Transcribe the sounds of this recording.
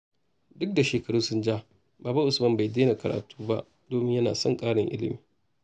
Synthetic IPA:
dʊ˦k̚da˨ʃeː˨kɐ˨ɽuː˦sʊ˦nd͡ʒa˦ | baː˨ba˦ʔʊ˨smɐ˦mba˨jdeː˦na˨kɐ˨ɽa̰ː˨tu̥ː˦ba˦ʔ | doː˨˦mɪ˦ɲjɐ˦naː˨sɐ˦˨ŋkʼaː˦ɽɪ˨ŋʔɪ̰˦lɪ̰˨miː˨

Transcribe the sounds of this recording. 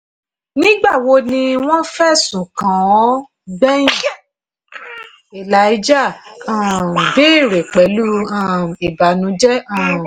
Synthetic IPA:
nĩ˦ɡ͡ba˦˨wo˧nĩ˧w̃ɔ̃˦fɛ˦˨sũ˨kã˨ɔ˨˦ | ɡ͡bɛ˦ĩ˦˨ | e˨la˨˦i˦d͡ʒa˦˨ã˨be˦˨ɾe˨k͡pɛ˨˦lu˦ã˦˨e˨ba˨nũ˨˦d͡ʒɛ˦ã˦˨

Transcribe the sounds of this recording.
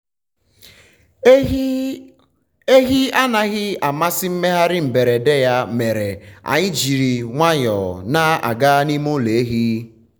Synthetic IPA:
e˦ɣi˦a˦na˨ɣɪ˦a˨ma˦sɪ˦m̩˦me˦ɦa˦ɾɪ˦m̩˨be˨ɾe˨de˦ja˦me˨ɾe˨a̰˨ɲɪ˦d͡ʒi˨ɾi˨ŋʷa˦ɲɔ˨na˦a̰˨ɡa˦ni˦mo˦le˨e˦ɦi˦

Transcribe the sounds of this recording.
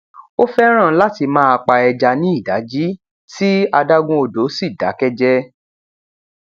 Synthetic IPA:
o˦fɛ˦ɾ̃ã˦˨˦la˦ti˧mãː˦a˧k͡pa˧ɛ˧d͡ʒa˧nĩ˦i˦˨da˨˦d͡ʒi˦ | ti˦a˧da˦ɡũ˧o˧˨do˨˦si˦˨da̰˨˦kɛ˦d͡ʒɛ˦

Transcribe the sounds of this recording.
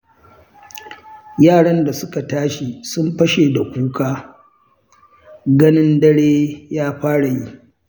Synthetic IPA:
jaː˦˨ɽɐ˦nda˨sʊ˦ka˨taː˦ʃi˨sʊ˦mɸɐ˦ʃe˨da˨kʷuː˦kʰaː˦ | ɡɐ˦nɪ˦ndɐ˦ɽeː˦jaː˦ɸaː˦ɽa˨ji˦

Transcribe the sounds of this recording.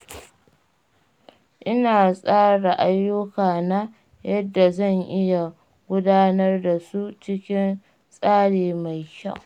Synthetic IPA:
ʔɪ˦naː˨sʼaː˦ɽa˨ʔa˦jːʊ˦kaː˨na˦ | jɐ˦dːa˨zɐ˦˨ŋʔɪ˦ja˨ | ɡʷʊ˦daː˦nɐ˦rda˨su˦t͡ʃɪ˦kʲɪ˦n | sʼaː˦ɽeː˨ma˨jkʲa̰˦˨

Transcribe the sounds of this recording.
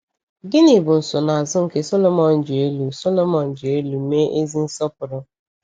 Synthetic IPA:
ɡɪ˦ni˨bʊ˨n̩˨sʊ˨na˨a˨zʊ˦ŋ̩˨ke˦so˦lo˨mɔ˨n̩˨˦d͡ʒʊ˨e˦lu˨so˦lo˦mɔ˨n̩˨d͡ʒʊ˨e˦lu˨me˦ʔe˦zi˦n̩˦sɔ˦p̚ʊ˨ɾʊ˦

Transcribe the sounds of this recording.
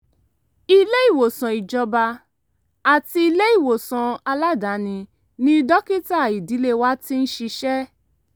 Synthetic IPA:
i˧le˦i˦˨wo˨sã˨i˨d͡ʒɔ˧ba˧ | a˨ti˧i˧le˦i˦˨wo˨sɔ̃˨a˧la˦da˨˦nĩ˧ | nĩ˦dɔ˦ki˦ta˦˨i˨di˨˦le˦wa˦ti˦n̩˦ʃi˧ʃɛ˦

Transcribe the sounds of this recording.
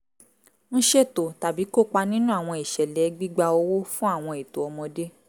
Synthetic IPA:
ñ̩˦ʃe˦˨to˨ta˨bi˨˦ko˦˨k͡pa˧nĩ˦nũ˦a˦˨w̃ɔ̃˧i˨ʃɛ˨lɛ˨˦ɡ͡bi˦ɡ͡ba˧o˧wo˦fũ˦a˦˨w̃ɔ̃˧i˨to˨ɔ˧mɔ̃˧de˦

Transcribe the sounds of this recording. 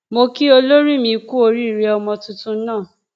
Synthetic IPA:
mo˧ki˦o˧lo˦ɾi˦˨mĩ˧ku˦o˧ɾi˦i˨ɾi˦ɔ˧mɔ̃˧tũ˦tũ˦n̩˦nã˦˨

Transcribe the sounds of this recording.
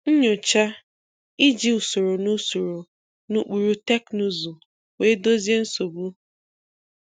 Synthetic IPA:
ɲ̩˦ɲʊ˨t͡ʃa˦ | i˦d͡ʒi˦u˨so˨ɾo˨nu˦su˨ɾo˨ | nu˦k͡pu˨ɾu˦te˦knu˦zu˨ | we˦do˦zi˦e˦n̩˦so˨bu˦

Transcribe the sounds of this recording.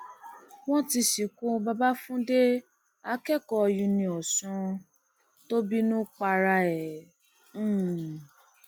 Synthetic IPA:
w̃ɔ̃˦ti˧ʃi˨kũ˦ba˦ba˦fũ˦de˦ | a˧˦kɛ˦˨kɔ˧jũ˧nĩ˧ɔ˨sũ˧ | to˦bi˦nũ˦k͡pa˧ɾa˧ɛ̃˨˦˨

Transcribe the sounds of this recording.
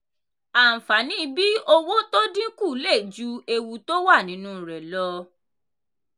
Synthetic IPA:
a˨fa˨˦nĩ˦˧bi˦o˧wo˦to˦dĩ˦ku˦˨˦le˦˨d͡ʒu˨˦e˧wu˧to˦wa˦˨nĩ˨˦nũ˦ɾɛ˨lɔ˧˦

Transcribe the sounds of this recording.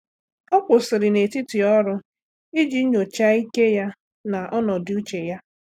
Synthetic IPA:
ɔ˦kʷʊ˨sɪ˨ɾɪ˨ne˨ti˦ti˨ɔ˦ɾʊ˦ | i˦d͡ʒi˦ɲo˨t͡ʃa˦i˦ke˦ja˦ | na˨ʔɔ˦nɔ˨dɪ˦u˦t͡ʃe˨ja˦

